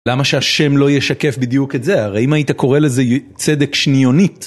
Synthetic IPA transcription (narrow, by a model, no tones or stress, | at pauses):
lamaʃeaʃe̞mlo̞jeʃake̞fbid̪juketze̞aʁeimait̪ako̞ʁeleze | t͡sed̪ekʃnijo̞nit